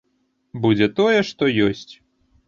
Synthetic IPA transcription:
bud͡zʲɛt̪ɔjɛʂt̪ɔjɔsʲt͡sʲ

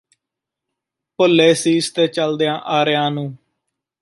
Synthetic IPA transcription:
pʊlːeːsiːst̪eːt͡ʃəld̪ejãːʔaːɾejãːnũː

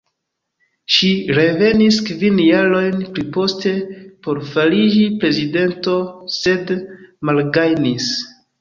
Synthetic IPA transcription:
ʃiɾe̞ve̞niskvinjaɾo̞jnpɾipo̞ste̞po̞ɾfalid͡ʒipɾe̞zide̞nto̞se̞dmalɡajnis

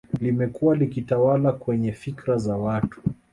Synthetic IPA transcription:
limɛkuwalikitawalakwɛɲɛfikɾazawatu̥

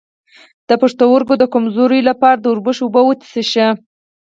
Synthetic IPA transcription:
d̪̥əpaʂt̪awəɾɡod̪əkamzoɾəjlapɑɾad̪əʊɾbəʃubəwət̪i̥seʃə

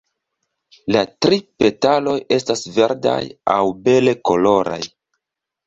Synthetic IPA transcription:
latɾipe̞talo̞je̞stasve̞ɾda̰jawbe̞le̞ko̞lo̞ɾa̰j

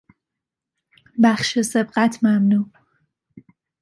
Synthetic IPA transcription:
baxʃesɪb̚qat̪ʰmamnu

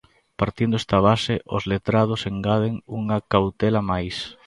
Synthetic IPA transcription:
paɾt̪ind̪oɛst̪aβ̞aseʔʊ̰zlet̪ɾað̞ʊseŋɡað̞eŋuŋɐkawt̪ɛlamajs

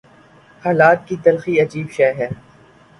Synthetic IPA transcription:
haːlaːt̪̚kit̪ɐlxiɐd͡ʒiːbʃɛːɦɛː

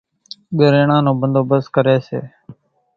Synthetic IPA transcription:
ɠəɾeːɳãːnõːbənd̪oːbəskəɾeːsḛː

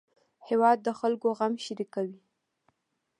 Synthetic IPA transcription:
hewɑd̪̚ːəxalkoɣamʃɪɾikawi

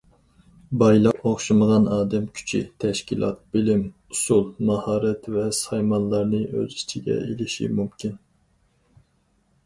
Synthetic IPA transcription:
bɑjlˠɑqoχʃɨməʁɑnɑːd̪ɛmkʲʰy̥t͡ʃʰḭt̪ʰɛʃkʲilˠɑ̰t̪̚b̥ɪlɪm | usulˠmɑhɑːɾɛt̪vɛsɑjmɑnlˠɑɾnɨʔø̰zit͡ʃʰiɡʲɛ̰elɪʃḭmumkʲʰin

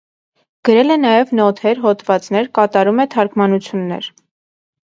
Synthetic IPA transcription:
ɡ̥əɾɛlɛnɑjɛvnɔt̪ʰɛɾɦɔt̪vɑt͡snɛɾkɑt̪ɑɾumɛt̪ʰɑɾkʰmɑnut͡sʰjunːɛ̰ɾ

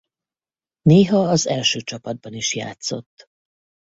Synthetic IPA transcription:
neːɦɒɒzɛlʃøːt͡ʃɒpɒd̪̚bɒniʃja̰ːt̪so̞̰t̪ː

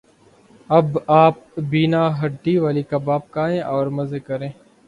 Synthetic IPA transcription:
əbaːp̚biːnaːɦəɖːiːʋaːliːkabaːp̚kaːẽːʔɔːɾməzeːkəɾẽː

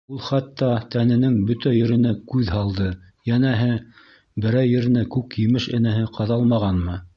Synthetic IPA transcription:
ulˠχæt̪ːɑt̪ænɘ̆nɘŋbɵt̪æjɘ̆ɾɘ̆nækʉðhɑlˠd̪ɤ | jænæɦɘ | bɘ̆ɾæjɘ̆ɾɘ̆nækʉkjɘ̆mɘʃɘ̆næɦɘqɑðɑlˠmɑʁɑnmɤ

